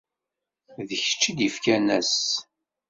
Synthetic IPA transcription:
ðəçə̥t͡ʃːid̪ifkænæs

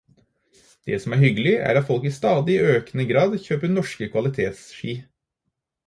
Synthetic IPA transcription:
d̪̥ɛ̰sɔmæɾhʏɡəlɪæ̰ːɾɑt̪fɔlkiːst̪ɑːd̪ɪʔøːknəɡɾɑːd̪çøːpənɔʂkəkʰʋɑlɪt̪ʰeːt̪sʃiː

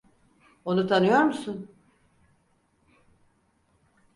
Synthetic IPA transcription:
o̞nut̪ʰanɯjoɾmusun

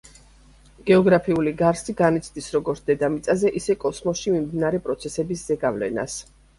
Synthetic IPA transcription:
ɡ̥ɛɔɡɾapʰiuliɡaɾsiɡanit̪sʰd̪isɾɔɡɔɾt̪ʰd̪ɛd̪amit̪sʼazɛʔisɛkʼɔsmɔsʃimimd̪inaɾɛpʼɾɔt̪sʰɛsɛbisz̥ɛɡavlɛ̰na̰s

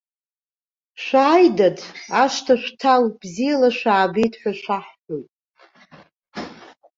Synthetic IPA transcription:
ʃʷaːjdadaʂtʰaʃʷᶣtʰawb̥zijalaʃʷaːbejtʰʼħʷᶣaʃʷaħħojtʼ

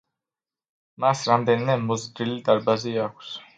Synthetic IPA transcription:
masɾamd̪ɛnimɛmɔzd̪ɾilid̪aɾbaziakʷʰs

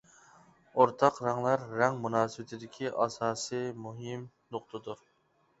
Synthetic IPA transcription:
oɾt̪ʰɑqɾɑŋlˠɑɾːɛŋmunɑːsɨwɪt̪ʰɪd̪ɪkʲʰiʔɑsɑːsɨmuɦɪm | noqt̪ʰɨd̪uɾ

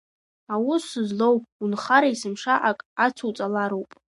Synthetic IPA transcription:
awʊsɨzlowpʼunχaɾaisɨmʂaʔakʼat͡sʰuwt͡sʼalaɾowpʼ

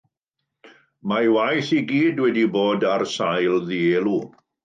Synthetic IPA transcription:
majwajθiɡiːdwɛdiboːdarsajlðiɛlˠu

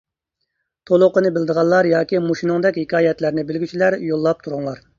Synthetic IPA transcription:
t̪ʰolˠʊqənɨbɪld̪əʁɑnlːˠɑɾjɑːkʲimoʃinɨŋd̪ɛkʲhɪkʲʰɑːjɛt̪læɾnɪbɪlɡʲyt͡ʃʰilæɾjolˠːɑp̚t̪ʰuɾuŋlˠɑɾ

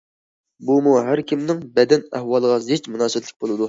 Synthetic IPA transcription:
bumuɦæɾkʲimnɪŋbɛd̪ɛnæhwɑlˠəʁɑzɪt͡ʃmunɑːsɨɛt̪lɪk̚ʲbolˠɨd̪u

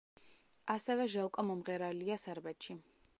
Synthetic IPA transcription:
asɛvɛʒɛlˠkʼɔmɔmʁɛɾaliasɛɾbɛt̪ʃi

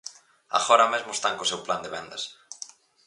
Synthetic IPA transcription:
a̰ɣoɾɐmezmʊest̪aŋkosewpland̪eβɛnd̪ɐs

